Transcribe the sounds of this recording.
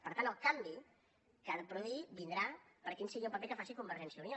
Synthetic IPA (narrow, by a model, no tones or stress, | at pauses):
pəɾt̪anəlˠkambi | kaðəpɾuðibind̪ɾapəɾkinsiɣoupəpekəfasikumbəɾʒɛnsiəunio